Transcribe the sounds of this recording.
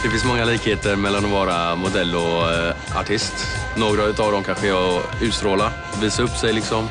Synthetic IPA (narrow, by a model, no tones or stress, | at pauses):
d̪̥ɛfɪnsmɔŋːaliːkheːt̪əɾmɛlːanɔvɑːɾamʊd̪ɛlːɔ | a̰ʈʰɪst̪noːɡɾaʉ̟t̪avd̪ɔmkʰanɧəɛɔʉ̟ːt̪st̪ɾoːla | viːsaɵpːsɛjlɪksɔm